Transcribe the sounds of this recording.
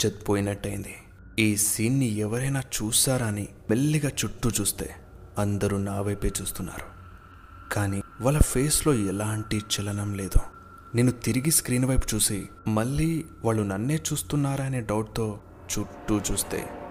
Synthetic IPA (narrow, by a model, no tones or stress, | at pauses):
t͡ʃet̪poːjinɐʈːɐjind̪i | iːsiːnːiɛʋɐɾɐjnaːt͡ʃuːsaːɾɐni | meɭːiɡaːt͡ʃuʈːut͡ʃuːst̪e̞̰ː | ɐnd̪ɐɾunaːʋɐjpeːt͡ʃuːst̪unːa̰ːɾu | kaːniʋɐːlːɐpʰeːslo̞ːɛlaːɳʈit͡ʃɛlɐnɐmle̞ːd̪u | neːnːut̪iɾiɡiskɾiːnʋɐjpu̥t͡ʃuːsimɐɭːiːʋaːɭːunɐnːe̞ːt͡ʃuːst̪unːaːɾɐne̞ːɖɐwʈ̚t̪o̞ː | t͡ʃuʈːut͡ʃuːst̪e̞̰ː